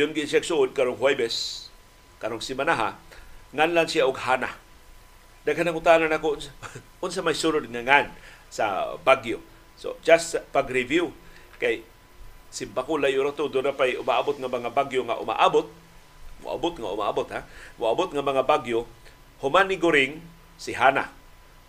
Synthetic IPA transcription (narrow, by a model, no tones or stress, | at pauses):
jʊnɡɪnsaɡsuʔʊd̪̚kaɾoŋɦwajbɛs | kaɾoŋsɪmanaɦaŋanlansiaʔʊɡhana | d̪aɡɦanaŋʊt̪ananakoʊnsa | ʊns̬amajsuɾʊd̪̚ŋaŋan | sa̰baɡjo | so̰d͡ʒast̪paɡɾɪvju | kaj | sɪmbakʊlajʊɾat̪od̪ʊnapajʔʊmaʔabʊt̪̚ŋamaŋabaɡjoŋa̰ʔʊ̰ma̰ʔabʊt̪̚ | mʊ̰ʔa̰bʊt̪ŋaʊ̰maʔa̰bʊt̪hamʊabʊt̪̚ŋamaŋabaɡjo | hʊmanɪɡʊɾɪŋ | sɪɦana̰